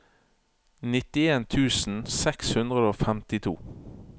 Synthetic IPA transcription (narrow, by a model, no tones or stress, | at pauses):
nɪt̪ɪeːnt̪ʰʉːsn̩sɛkshʉnd̪ʁəd̪əoːfɛmt̪ɪt̪ʰṵː